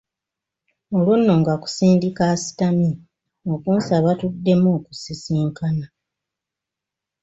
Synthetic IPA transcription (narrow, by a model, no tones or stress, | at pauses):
o̞lunːo̞ŋɡaku̥siːndikasi̥tami | o̞kuːnsaβatudːe̞muːku̥sisiːŋkana